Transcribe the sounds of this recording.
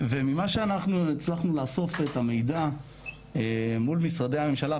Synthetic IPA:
ve̞mimaʃeanaχnuit͡slaχnulaːso̞fet̪ame̞jd̪a | emulmisʁad̪ejhame̞mʃala

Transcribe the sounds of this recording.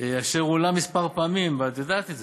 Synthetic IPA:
eaʃeʁulamispaʁpaːmimvat̪od̪at̪eze

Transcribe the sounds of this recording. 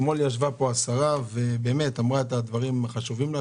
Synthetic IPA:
moljaʃvapo̞asaʁave̞be̞ːme̞t̪amʁaet̪ad̪vaʁimaχaʃuvimla

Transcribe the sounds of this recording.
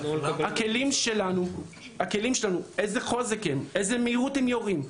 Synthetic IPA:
hakelimʃelanu | hakelimʃelanuejzeχo̞zekhemejzemeiʁuthemjoʁim

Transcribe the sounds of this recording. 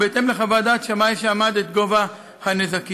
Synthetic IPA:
bet̪emleχavad̪at̪ʃamajʃeamad̪et̪ɡo̞va | hanezaki

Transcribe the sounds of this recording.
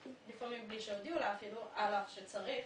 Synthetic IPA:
lifamimbliʃeovd̪iulaafiluʔalafʃet͡saʁiχ

